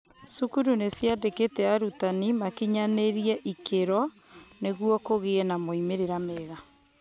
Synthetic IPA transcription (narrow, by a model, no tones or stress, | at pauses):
sukuɾunesjadeketɛaɾutanimakiɲaneɾiɛʔikeɾɔ | neɣwɔkoɣeɛnamoimeɾeɾameːɣa